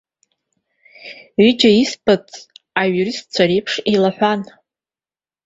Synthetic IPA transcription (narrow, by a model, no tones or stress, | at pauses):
ɥid͡ʒaispʰʼat͡sʼaɥurist̚t͡ɕʷʰaɾejpʰʂelaħʷan